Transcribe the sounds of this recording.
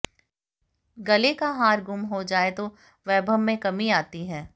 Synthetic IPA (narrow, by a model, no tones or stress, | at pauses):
ɡɐlekaɦaːɾɡʊmɦod͡ʒaːet̪o | ʋɛːbʱəmːẽkɐmiaːt̪iɦɛː